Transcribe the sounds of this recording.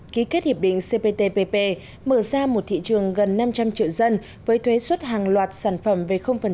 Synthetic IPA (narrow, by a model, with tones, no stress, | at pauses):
ki˨˦ke˦˥t̚hi˨˩ɗḭ̈˧˨ŋ̟se˧pe˧t̪e˧pe˧pe˧ | məː˧˩zaː˧mo˨˩t̚t̪ʰḭ˧˨t͡ɕɨ˨˩əŋɣə˨˩nːa˧mt͡ɕa˧mt͡ɕḭ˧˨əwzə˧n | vəː˨˦jt̪ʰwe˨˦swə˦˥t̚ɦaː˨˩ŋlwaː˨˩t̚saː˧˩nfə˧˩mve˨˩xə˧wŋ͡mfə˨˩n